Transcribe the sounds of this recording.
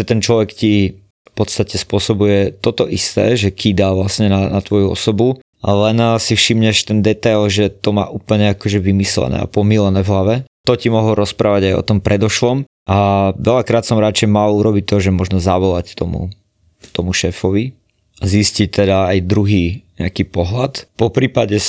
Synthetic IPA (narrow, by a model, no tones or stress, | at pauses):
ʒɛt̪ɛnt͡ʃlɔʋɛkci | fpɔt̪st̪acɛspʊɔsɔbujɛt̪ɔt̪ɔʔist̪ɛ̰ːʒɛkʰid̪aʋlasɲɛnanat̪ʋɔjuɔ̰sɔbu | lɛnsifʃimɲɛʃt̪ɛnd̪ɛt̪ajlʒɛt̪ɔma̰ːʔupl̩ɲɛakɔʒɛʋimislɛ̰nɛ̰a̰pɔmilɛnɛvɦlaʋɛt̪ɔcimɔɦlɾɔspɾaːʋaɟajɔ̰t̪ɔmpɾʔɛd̪ɔʃlɔm | ʔaʋɛlakɾaːt̪sɔmɾat͡ʃɛɪmaluɾɔbit̚t̪ɔʒɛmɔʒnɔzaʋɔlact̪ɔmṵ | t̪ɔmuʃɛːfɔʋi | aziscic̚t̪ɛd̪aajd̪ɾuɦiːɲɛakiːpɔɦlat̪pɔpɾiːpaɟɛ